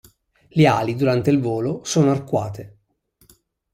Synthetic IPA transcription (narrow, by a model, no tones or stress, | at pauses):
lea̰ːlid̪uɾant̪eilvoːlosoːnoarkwa̰ːt̪e